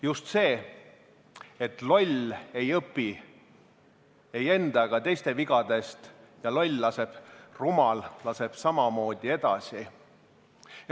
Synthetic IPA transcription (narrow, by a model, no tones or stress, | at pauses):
just̪se̞ː | et̪ˑlo̞lʲe̞jɤpːi | e̞je̞nd̪̥ɑɡ̥ɑt̪e̞jst̪e̞viɡ̥ɑd̪̥e̞st̪ | jɑlo̞lʲlɑse̞b̥rumɑllɑse̞b̥sɑmɑmo̞ːd̪̥ʲie̞d̪̥ɑ̰si